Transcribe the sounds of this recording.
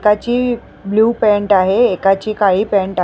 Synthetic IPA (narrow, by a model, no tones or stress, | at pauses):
kat͡ɕiː | bluːpɛ̃ɳʈaɦeːkat͡ɕiːkaɦiːpɛ̃ɳʈa